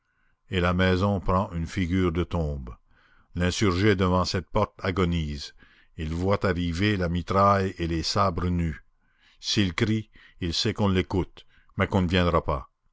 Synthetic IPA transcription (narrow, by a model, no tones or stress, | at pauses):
elamɛzɔ̃pɾɑ̃ʔynfiɡʲyːʁd̪ət̪ɔ̃b | lɛ̃syʁʒed̪əvɑ̃sɛt̪̚pɔʁt̪aɡɔniːz | ilvwat̪aʁivelamit̪ɾajelesabɾəny | silkɾi | ilsɛkɔ̃lekut̪ | mɛkɔ̃nəvjɛ̃d̪ɾapa